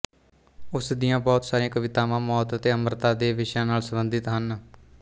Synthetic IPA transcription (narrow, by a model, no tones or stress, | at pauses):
ʊsd̪ijãːbɔːt̪saːɾiãːkəʋɪt̪aːʋãːmɔːt̪ət̪eːəmɾt̪ãːd̪eːʋɪʃjãːnaːlsəmbənd̪ɪt̪ɦən